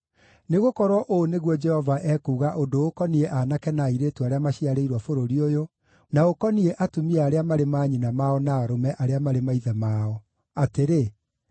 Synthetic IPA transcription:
neɣokɔɾwɔʔoneɣwɔd͡ʒɛhɔvaʔɛkuːɣaʔondookɔniɛʔanakɛnaiɾetuaɾeamaɕiaɾeiɾwafoɾoɾiojo | naokɔniɛʔatomiaɾeamaɾemaːɲinamaɔnaːɾomɛʔaɾeamaɾemaiðɛmaːɔ | ateɾe

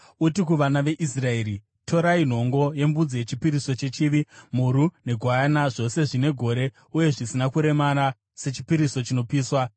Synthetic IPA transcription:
utikuʋanaʋe̞ʔisrae̞ːɾi | tʰo̞ɾain̤o̞ŋɡo̞je̞mbud͡zije̞t͡ʃipiɾiso̞t͡ʃe̞t͡ʃiːʋim̤uɾune̞ɡʱwaːnaʐo̞se̞ʐine̞ɡʱo̞ɾe̞ | uje̞ʐisinakuɾe̞mana | se̞t͡ʃipiɾiso̞t͡ʃino̞piːswa

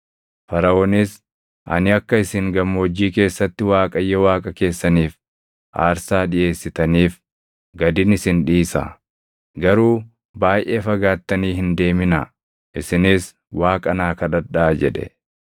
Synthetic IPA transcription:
fɐɾɐoːnɪs | ʔɐ̰nɪɐkːɐɪsɪŋɡɐmːoːd͡ʒːiːke̞ːsːɐt̪ːɪwaːkʼɐjːɔwaːkʼɐke̞ːsːɐniːf | ʔa̰ːɾsaːᶑɪjʔe̞ːsːɪt̪ɐniːf | ɡɐd̪ɪnɪsɪnᶑiːsɐ̰ | ɡɐɾuː | baːjʔe̞ːfɐɡaːt̪ːɐniːɦɪnd̪e̞ːmɪnɐ̰ | ʔɪsɪnɪs | waːkʼɐnaːkɐᶑɐᶑaːd͡ʒɛᶑɛ̰

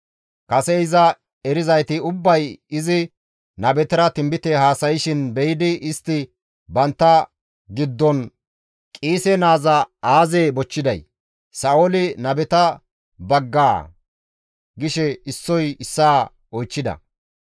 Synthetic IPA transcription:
kɐsɛɪzɐ | ɛɾɪzɐjt̪ɪʊbːɐjɪzɪ | nɐbɛt̪ɪɾɐt̪ɪmbɪt̪ɛhaːsɐjɪʃɪnbɛjɪd̪ɪʔɪst̪ːɪ | bɐnt̪ːɐ | ɡɪd̪ːɔn | kʼiːsɛnaːzɐaːzeːbɔt͡ʃːɪd̪ɐj | sɐʔoːlɪnɐbɛt̪ɐ | bɐɡːaː | ɡɪʃɛɪsːɔjɪsːaː | ɔjt͡ʃːɪd̪ɐ̰

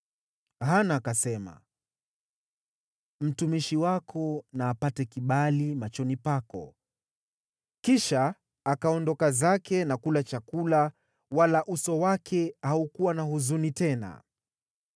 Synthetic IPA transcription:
ɦanaːkasɛma̰ | m̩tumiʃiwakʰɔnaːpatɛkiɓalimat͡ʃɔnipakɔ | kiʃaː | kaɔndɔkazakɛnakulat͡ʃakula | walaʔusɔwakʰɛhaukuwanahuzunitɛna̰

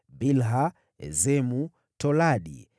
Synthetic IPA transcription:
bilɦa | ɛ̰zɛmu | tɔlaɗḭ

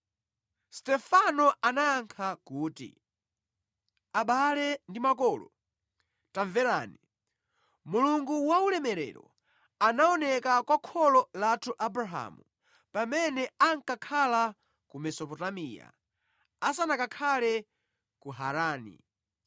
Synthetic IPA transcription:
stɛfanɔanaːŋkʰakuːtḭ | aɓalɛndimakɔlɔ̰ | taɱvɛɾaːni | muluŋɡuwaulɛmɛɾɛ̰ɾɔ̰ | anaɔnɛkakwakʰɔlɔlatʰuʔabɾaɦa̰mu | pamɛnɛaŋkakʰala | kumɛsɔpɔtamiːja̰ | asanakakʰalɛ | kuɦaɾaːnḭ

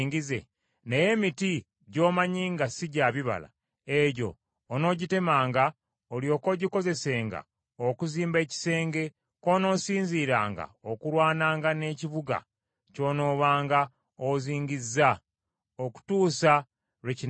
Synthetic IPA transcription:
ŋɡizḛ | ne̞je̞miti | ɟo̞ːmaɲiːŋɡasiɟaːβiβa̰la̰ | eɟo̞̰ː | no̞ːɟite̞maːŋɡa | olio̞ːko̞ɟiko̞ze̞se̞ːŋɡa̰ | okuziːmbe̞ːci̥se̞ːŋɡe̞ | ko̞ːno̞ːsiːɲziːɾa̰ːŋɡa̰okuɾwaːnaːŋɡane̞ːciβuɡa̰ | co̞ːno̞ːβaːŋɡa | oziːɲɟizːa | oku̥tuːsa | ɾeci

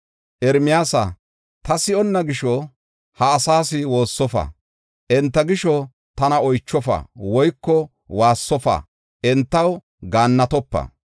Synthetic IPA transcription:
ʔɛɾmɪjaːsɐ̰ | t̪ɐsɪɔnːɐɡɪʃɔ | hɐːsaːsɪwo̞ːsːɔfɐ̰ | ʔɛnt̪ːɐɡɪʃɔ | t̪ɐnɐɔjt͡ʃːɔfɐ̰wɔjkːɔ | waːsːɔfɐ̰ | ʔɛnt̪ːɐw | ɡaːnːɐt̪ɔpːɐ̰

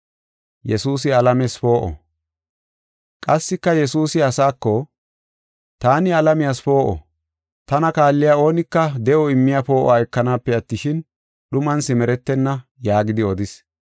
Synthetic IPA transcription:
jɛsuːsɪɐlɐmɛsfo̞ːʔɔ̰ | kʼɐsːɪkːɐjɛsuːsɪɐsaːkːɔ | t̪aːnɪɐlɐmɪjaːsfo̞ːʔɔ̰ | t̪ɐnɐkaːlːɪjao̞ːnɪkːɐd̪ɛʔɔɪmːɪjafo̞ːʔɔaːɛkːɐnaːpːɛɐt̪ːɪʃɪn | ɗʊmɐnsɪmɛɾɛt̪ːɛnːɐjaːɡɪd̪ɪɔd̪ɪs

